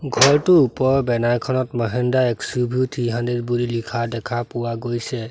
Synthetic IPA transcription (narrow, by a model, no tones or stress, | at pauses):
ɡʱɔɹtʊupɔɹbɛnajkʰɔnɔtməɦɛndaɛksubʱutʰiɦãndiɹbulilikʰadɛkʰapʊwaɡojsɛ